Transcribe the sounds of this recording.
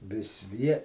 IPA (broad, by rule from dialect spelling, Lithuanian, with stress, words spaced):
ˈʋʲɪs ˈʋʲiɛ